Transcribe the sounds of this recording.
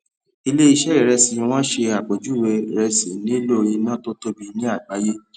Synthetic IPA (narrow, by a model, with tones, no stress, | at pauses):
i˧le˦i˧ʃɛ˦ɾɛ˦˨ɾɛ˧sĩ˨˧w̃ɔ̃˦ʃe˧a˨k͡po˨d͡ʒu˨˦˨we˧ɾɛ˧si˨˦nĩ˦lo˦˨ɾĩ˧˦nã˦to˦to˦bi˧nĩ˦a˦˨ɡ͡ba˨˦je˦